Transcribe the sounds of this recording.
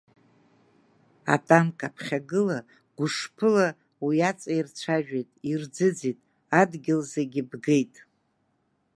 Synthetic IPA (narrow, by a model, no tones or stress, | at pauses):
a̰tʼamkʼapʰχʲaɡɨla | ɡ̥ʷʊʂpʰɨla | wiat͡sʼairt͡ʃʷʰaʒᶣejtʼird͡zɨd͡zitʼ | adɡʲɪlzeɡʲɪbɡe̞jtʼ